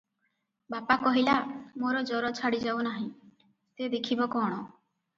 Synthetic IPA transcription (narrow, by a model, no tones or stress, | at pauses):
bapakɔɦilamoɾɔd͡ʒɔɾɔt͡ʃʰaɽid͡ʒawnaɦĩ | sed̪ekʰibɔkɔɽ̃ɔ